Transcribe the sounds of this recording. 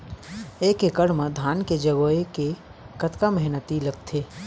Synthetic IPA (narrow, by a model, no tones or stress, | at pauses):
eːkɪkəɽmẽd̪ʱaːnked͡ʒəɡoːeke | kət̪kaməɦnət̪iləɡt̪ʰeː